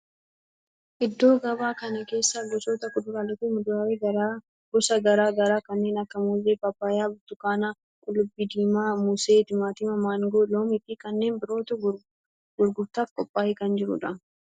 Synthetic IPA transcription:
ʔɪd̪ːo̞ːɡɐbaːkɐnɐke̞ːsːɐlʊsoːt̪ɐkʊd̪ʊɾaːlɛt̪ɪmʊd̪ʊɾaːɾeɡɐɾaː | bɔsɐɡɐɾaːɡɐɾaːkɐnːe̞ːnɐkːɐmuːzeːbɐpːaːjaːbʊt̪ːʊkaːna | kʼʊlʊbːɪd̪iːmaːmʊseːt̪ɪmaːt̪iːmɐmaːŋɡoloːmɪtikɐnːe̞ːnbɪɾo̞ːt̪ʊɡ | ɡʊɾɡʊɾt̪aːfkʼɔpʼːaːhɪkɐnd͡ʒɪɾʊ̰ᶑɐ

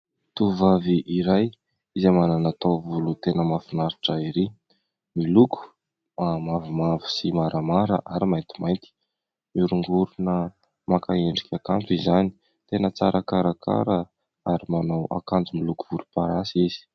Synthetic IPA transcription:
t̪uvaviʔiɾaj | izemananat̪ovulut̪enəmafinaɾiʈ͡ʂəiɾi | milukʰu̥ | mamavumavi̥simaɾʔamaɾə̰ʔaɾimajnt̪i̥majnt̪i̥ | miɾuŋɡuɾunə | makaeɳɖ͡ʐikʰʲakampizani̥ | t̪enət͡saɾakaɾakʰa̰ɾə | aɾimanawʔa̰kand͡zumilukuv̥uɾupaɾasizi̥

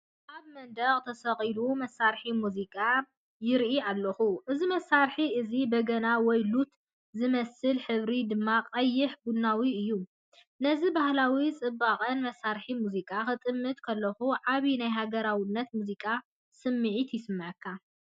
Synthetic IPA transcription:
ʔaβmɐnd̪ɐqʼt̪ʰɐsɐχʼilumɐsaɾħimuzikʼa | jɪɾʔialːɐxuʔɨzimɐsːaɾħiɨzibɐɡɐnawɔjlut̪ | zɨmɐsɨlħɨβɾid̪ɨmːaqʼɐjːɪħbunawiɨjːu | nɐzibahlawit͡sʼɨbːaχʼɐnmɐsːaɾħimuzikʼaxɨt̪ʼɨmːɨt̪̚kʰɐlːɐxuʕaβinajɦaɡɐɾawinːɐt̪muzikʼa | sɨmːɨʕit̪jɪsɨmːɨʕɨkʰːa

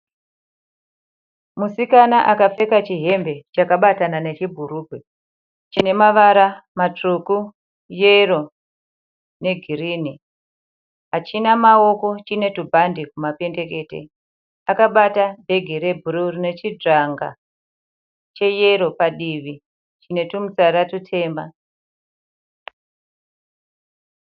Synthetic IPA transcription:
musikanaʔakap͡fe̞kat͡ʃiɦe̞mbe̞t͡ʃakaɓatanane̞t͡ʃibʱuɾubʱwe | t͡ʃine̞maʋaɾamat͡ʂuku | jero̞ | ne̞ɡʱiriːni | ɦat͡ʃinamao̞ko̞t͡ʃine̞tubʱandikumape̞nde̞ke̞ːtḛ | akaɓatabʱe̞ɡʱeɾe̞bʱuɾurine̞t͡ʃid͡ʐaŋɡa̰ | t͡ʃe̞jeɾo̞paɗiʋi | t͡ʃine̞tumut͡saɾatutʰe̞ːmba̰

